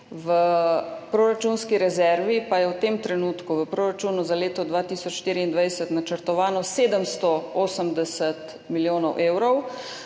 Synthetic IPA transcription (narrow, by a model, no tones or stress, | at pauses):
ʋəpɾoːɾat͡ʃuːnskiɾɛzɛɾʋipajɛwt̪eːmt̪ɾɛnuːt̪kuʋəpɾoːɾat͡ʃuːnuzaleːt̪ɔd̪ʋaːt̪iːsɔt͡ʃʃt̪iːɾiind̪ʋajsət̪nat͡ʃəɾt̪ɔʋaːnɔseːd̪əmst̪ɔoːsəmd̪ɛsət̪ | miljoːnɔwʔeːwɾɔw